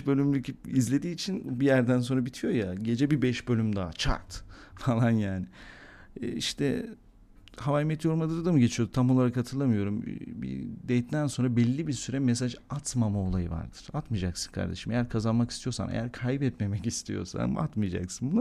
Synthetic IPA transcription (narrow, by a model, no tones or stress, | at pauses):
bø̞lʲymlʲycʰipizlʲe̞d̪iːt͡ʃʰinbijæɾd̪æns̬o̞nɾabit̪ʰijo̞jaɟe̞d͡ʒɛbibɛʃbølʲymd̪aat͡ʃʰa̰ɾt̪falˠanjaːnɪː | iʃt̪ʰɛ | ɦavajmɛt̪ʰjo̞ɾumad̪ɯɾad̪amɯɟet͡ʃʰijo̞d̪ut̪ʰamo̞lˠaɾakhat̪ʰɯɾlˠamɯjo̞ɾumbḭd̪ɛjt̪ːænso̞nɾabɛlʲːibisyɾɛmes̬aʒat̪mamao̞lˠajɯ̰va̰ɾd̪̥ɯɾ̥at̪mɯjd͡ʒaksɯ̥nkʰa̰ɾd̪e̞ʃimejæɾkʰazanmaki̥st̪ʰijo̞ɾsanḛjæɾkʰajbɛt̪me̞mɛcist̪ʰḭjo̞̰sa̰na̰t̪mɯjad͡ʒa̰ksɯnbuna